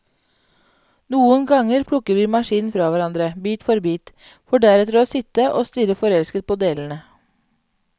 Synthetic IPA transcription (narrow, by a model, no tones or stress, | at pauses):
nuːənɡɑŋəɾpʰɽʊkəɾʋiːmɑʃiːnfɾɑːʋæɾɑnd̪ɾəbiːt̪fɔɾbiːt̪ | fɔɖæɾɛt̪əɾoːsɪt̪əʔoːst̪ʏɾəfɔɾɛlskət̪̚pʰoːd̪eːln̩ə